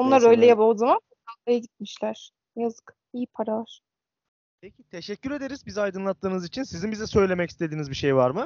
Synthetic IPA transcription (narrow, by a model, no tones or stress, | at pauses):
onˠaɾø̞jlʲɛjabalˠzamanuanajaɟit̪̚miʃlʲæɾ̥ | jazɯk | ijipʰaɾalˠaɾ̥ | pʰecʰit̪ʰe̞ʃɛcʰːyɾe̞d̪e̞ɾizbizajd̪ɯnlˠat̪ʰːɯːnɯzit͡ʃʰinsizinbizɛsø̞jlʲe̞mɛcist̪ed̪iːnizbiʃe̞jvaɾmɯ